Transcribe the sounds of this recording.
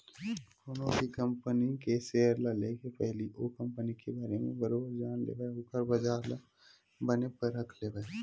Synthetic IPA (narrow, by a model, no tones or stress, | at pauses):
koːnõbʱikɐ̃mpənikeseːəɾlaleːkepɛɦliʔokɐ̃mpənikebaːɾemḛ̃bɐɾoːbəɾd͡ʒaːnlḛːɡakəɾbɐd͡ʒaːɾla | bɐnepɐɾːɐkʰlebaː